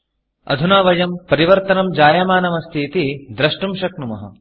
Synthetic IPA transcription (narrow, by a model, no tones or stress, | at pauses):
ɐ̰d̪ʱunaːʋɐjɐmpɐɾiʋɐɾt̪ɐnɐmd͡ʒaːjɐmaːnɐmɐst̪ʰiːt̪id̪ɾɐʂʈumʃɐk̚numɐ̰ɦɐ̰